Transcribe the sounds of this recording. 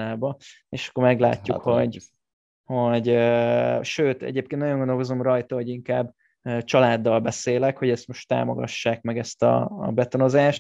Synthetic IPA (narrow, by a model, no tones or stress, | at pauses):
aːbɒ | eːʃɒ̥kːormɛɡla̰ːtːukho̞ɟ | ho̞ɟøʃøːt̪ɛ̰ɟeːpkennɒjoŋɡond̪olko̞zo̞mrɒjt̪ɒɦoɟiŋkaːbː | øt͡ʃɒlaːd̪ːɒlbɛseːlɛkho̞ɟɛst̪mo̞ʃt̪ːa̰ːmo̰ɡɒ̰ʃːaːk̚mɛɡɛst̪ɒ̰ːbɛt̪ono̞zaːʃt̪